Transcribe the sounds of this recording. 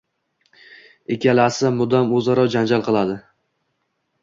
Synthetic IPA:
ekʲalasɪmʊd̪amɵzaɾɒd͡ʒand͡ʒalˠqɨlˠad̪ɪ

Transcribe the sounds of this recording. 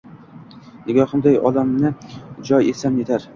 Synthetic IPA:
nɪɡʲɒhɨmd̪ajɒ̰d̪amnɪd͡ʒɒjesamet̪ʰaɾ

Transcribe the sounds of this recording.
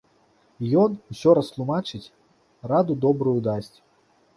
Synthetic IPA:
jɔnusʲɔɾɐst̪lˠumat͡ʂɨt͡sʲ | rad̪ud̪ɔbɾujud̪asʲt͡sʲ

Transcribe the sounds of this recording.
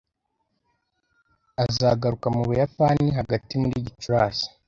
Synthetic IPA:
azaɡaɾukamuβujapaniɦaɡatimuɾiːɟit͡ʃuɾaːsḁ

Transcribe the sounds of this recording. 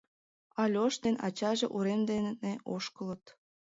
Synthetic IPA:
ɑlʲoʃt̪enɑt͡ɕɑʒeʔuɾemd̪enneoʃkələ̆t̪

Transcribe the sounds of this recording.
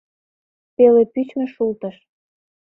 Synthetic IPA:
pelepyt͡ɕmĕʃult̪ə̆ʃ

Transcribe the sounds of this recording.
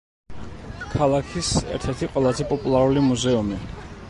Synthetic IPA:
kʰalˠakʰisɛ̰ɾt̪ʰɛɾt̪ʰiqʼwɛlˠazɛpʼɔpʼulˠaɾulimuzɛumi

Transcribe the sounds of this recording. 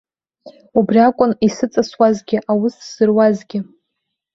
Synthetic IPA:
ubriakʷʼʊnisɨt͡sʼaswazɡʲɪʔawʊsz̥ɨrwazɡʲɪ

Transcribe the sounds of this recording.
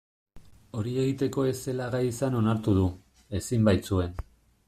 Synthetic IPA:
o̞ɾie̞ɣit̪e̞ko̞e̞se̞laɣajisano̞naɾt̪uðu | e̞simbajt͡sue̞n

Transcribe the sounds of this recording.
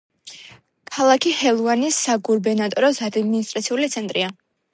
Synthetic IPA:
kʰalˠakʰihɛlˠuanisːaɡuɾbɛnat̪ʼɔɾɔsad̪minist̪ʼɾat̪sʰiulit̪sʰɛnt̪ʼɾia

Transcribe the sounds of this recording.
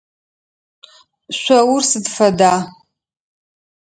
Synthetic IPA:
ɕʷɐwʊrsɨdfɐdaː

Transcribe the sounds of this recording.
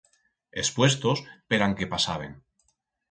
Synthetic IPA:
espwe̞st̪o̞speɾaŋke̞pasaβ̞e̞̰ŋ

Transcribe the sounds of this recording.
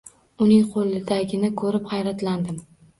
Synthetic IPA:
ʊnɪŋqʰolˠɪd̪aɡʲɪnɪkʰɵɾɪphajɾat̪land̪ɪm

